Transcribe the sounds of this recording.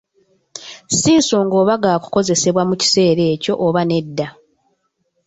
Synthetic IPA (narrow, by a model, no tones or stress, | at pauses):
siːnso̞ːŋɡo̞ːβaɡaːku̥ko̞ze̞se̞βwamuci̥se̞ːɾe̞ːco̞ʔːβane̞dːa